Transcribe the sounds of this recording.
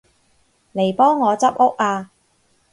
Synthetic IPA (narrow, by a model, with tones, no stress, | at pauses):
le˨˩jpɔː˥ŋːɔː˨˧t͡sɐ˥p̚ʔʊ˥k̚aː˧